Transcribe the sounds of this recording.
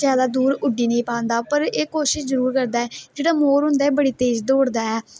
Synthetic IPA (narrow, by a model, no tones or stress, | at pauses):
jaːd̪aːd̪uːɾʊɖiːnəĩːpãːnd̪aːpəɾeːkoːʃɪʃzəɾuːɾkəɾd̪aːɛːd͡ʒeːɽaːmoːɾɦʊ̃nd̪aːɛːbəɽiːt̪eːd͡ʒd̪oːɽd̪aːɛː